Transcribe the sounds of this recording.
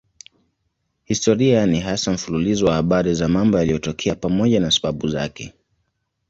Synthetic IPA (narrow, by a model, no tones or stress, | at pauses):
histɔɾianiɦasam̩fululizɔwahaɓaɾizamambɔjalijɔtɔkʰɛapamɔʄanasḁɓaɓuza̰kɛ̰